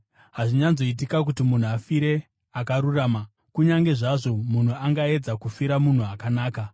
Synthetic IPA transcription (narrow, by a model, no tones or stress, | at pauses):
ɦaʐiɲanzo̞it̬ikak̬utimun̤uafiɾe̞ | akaɾuraːma | kuɲaŋɡe̞ʐaʐo̞mun̤uaŋɡae̞d͡zakufiɾamun̤uakanaːka